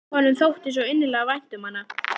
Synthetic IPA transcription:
hɔnːʏmθowht̪ɪs̬ɔɪnːɪlɛːɣavajn̥t̪ʏmhanːa

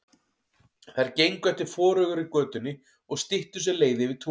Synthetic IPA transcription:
θajɾcejŋkɛht̪ɪɾ̥fɔːɾœɣʏɾikœːt̪ʏnːɪ | ɔɣst̪ɪht̪ʏsɛleːjðɪvɪðt̪ʰu

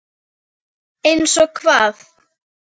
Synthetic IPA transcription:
ejnsɔkʰvaːð

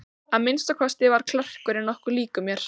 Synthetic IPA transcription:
aðmɪnst̪akʰɔst̪ɪvaɾ̥kʰlœr̥kʏɾɪnːɔhkʏɾliːkʏmjɛɾ̥

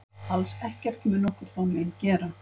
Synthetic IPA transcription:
halsɛhcɛr̥t̪mɛnɔːhkʏɾθamencɛːɾa

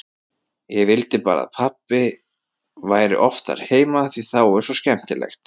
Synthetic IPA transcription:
jɛɣvɪlt̪ɪpaːɾa̰ðpʰapːɪ | vaːjɾɪ̰ʔɔft̪a̰ɾ̥heːjmaːθviθawʏ̥sɔscɛm̥t̪ɪlɛ̰xt̪

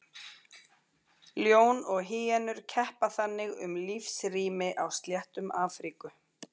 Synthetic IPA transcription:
ljoːwnɔɣɦɪːɛnʏɾ̥cʰɛhpaθanːɪɣʏ̰mlifsriːmɪʔawst̪ljɛht̪ʏmaːfɾikʏ

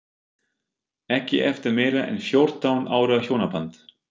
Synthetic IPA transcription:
ɛhcɪ̰ʔɛft̪ɪɾmɛjɾaʔɛ̰nfjɔwɾ̥t̪awnʔa̰ːwɾʏaçjoːwnapant̪

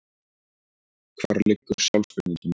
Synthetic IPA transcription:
kʰv̥aːɾlɪkːʏɾ̥sjawlsfʏt̪niŋcɪn

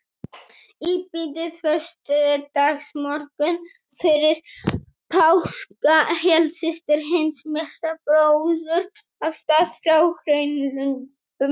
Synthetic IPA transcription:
ipit̪ɪðfœst̪ʏd̪aɣsmɔr̥kʏn | fɪɾɪɾ̥ | pʰawskahɛlsɪst̪ɪɾɦɪnsmɛr̥t̪apɾowðʏɾ | avst̪aːðfɾawxɾœɥnlʏn | pʏm

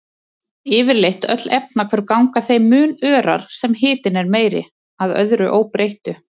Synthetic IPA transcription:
ɪːvɪɾlejht̪œ̰t̪lɛp̚nakʰvɛɾkawŋkaθejmʏːnœːɾa̰ɾ̥sɛmɦɪːt̪ɪnɛɾmeːjɾɪ̰ | aðœ̰ðɾʏʔoːwpɾejht̪ʏ

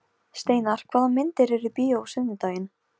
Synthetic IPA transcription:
st̪eːjnaɾ̥kʰv̥aːðanmɪnt̪ɪɾɛɾʏpiːjowsʏðnɪt̪aːjɪn

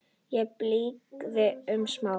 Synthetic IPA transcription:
jɛpliːkðɪʏmsmaː

